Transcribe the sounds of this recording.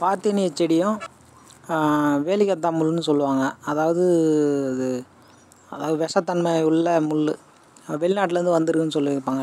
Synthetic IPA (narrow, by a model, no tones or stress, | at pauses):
paːɾt̪inɪɛt͡ʃːɛɽɪjʊ̃ | ʋeːlɪkːɐt̪ːaːmʊlːɯnːɯsɔlːɯʋaːŋɡɐɐðaːʋɐðɯɐðɯ | ɐðaːʋɐðɯʋɛʂɐt̪ːɐnmɐʊɭːɐmʊɭːɯ | ʋɛɭɪnaːʈ̬ːlɛɾɯnd̪ɯʋɐnd̪ɯɾɯkːɯnːɯsɔlːɯʋɛkːpːaːŋɡɐ